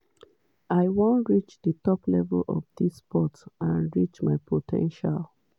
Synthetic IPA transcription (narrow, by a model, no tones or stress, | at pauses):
aɪwõntɹit͡ʃdətɔplɛ̰vlʔɔ̰fdispʰɔtãnɹit͡ʃmaɪpʰotʰɛ̰̃nʃal